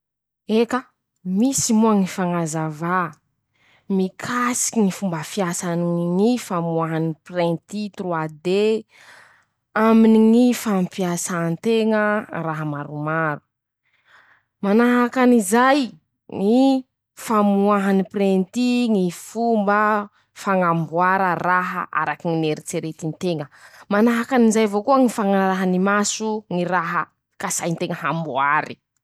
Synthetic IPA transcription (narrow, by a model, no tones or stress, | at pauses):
ekə | misimuaŋifaŋazava | mikʰasi̥iŋifumbəfiasaniŋŋifamuaɦaniprent̪it̪ruad̪e | aminiŋifampiasant̪eŋəraɦamaɾumaɾu̥ | manaɦakanizaj | ŋi | famuaɦaniprent̪iŋifumbə | faŋambuaɾəraɦə̰ʔa̰ɾakiŋineɾit͡seɾet̪int̪eŋəmanaɦakanizajvokuaŋifaŋaɾaɦanimasuŋiɾaɦə | kasajnt̪eŋəɦambuaɾi